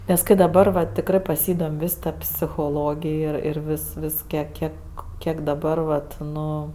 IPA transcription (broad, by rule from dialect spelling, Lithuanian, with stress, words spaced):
nʲɛs ˈkɐɪ dɐˈbɐr ʋɐ tʲɪkˈrɜ pɐˈsʲiːdoːmʲ ˈʋʲɪs ˈtɐ pʲsʲɪxoːˈlˠoːɡʲɪj ˈɪr ˈɪr ˈʋʲɪs ˈʋʲɪs ˈkʲiɛk ˈkʲiɛk ˈkʲiɛk dɐˈbɐr ʋɐt ˈnʊ